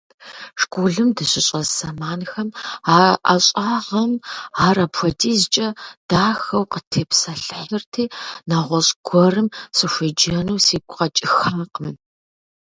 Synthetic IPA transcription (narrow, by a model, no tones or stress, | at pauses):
ʂkʷuɮɨmdɨɕʼɪɕʼɐsɐmaːnxɐmaʔa̰ɕʼaːʁɐmaːrɐpʰʷɔtʰiːzɨt͡ʃʼɐd̥aːxɐwqətʰeːpsɐɬɨħɨrtʰiːnaːʁʷɔɕʼɡʷɔrɨmsʼɨʃʷɐd͡ʒɐnuːsiːɡʷʰʼqɐt͡ʃʼɪxaːqəm